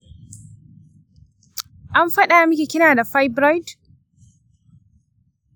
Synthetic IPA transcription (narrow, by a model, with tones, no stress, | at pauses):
ʔa˦mɸɐ˦ɗaː˨a˦mʊ˦kʲeː˨kʲɪ˦naː˨da˨ɸa˦jbɾa˦jd